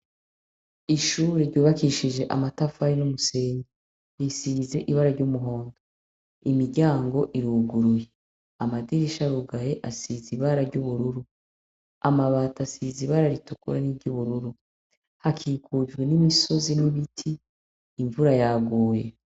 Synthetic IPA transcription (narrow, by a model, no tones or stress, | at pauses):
iʃuːɾeɾɟuːβakiʃid͡ʒe̞ʔamatafaɾinumuse̞ːɲi | ɾisize̞ʔiβaɾaɾɟumuɦo̞ːndo | imiɟaːŋɡo̞ʔiɾuɡuɾuje | amadiɾiʃaɾuɡajeʔasiziβaɾaɾɟuβuɾuɾu | amaβaːtasiziβaɾaɾitukṵɾaniɾɟuβuɾuɾu | hakʰiːkʰud͡ʒɡwe̞nimiso̞ziniβitʰiː | ɱvuɾajaɡuːje̞̰